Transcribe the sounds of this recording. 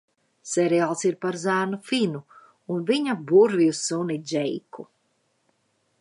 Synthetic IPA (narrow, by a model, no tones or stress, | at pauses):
sɛɾialˠsiɾpaɾzæːnufinu | unviɲabuɾvijusunid͡ʒɛjku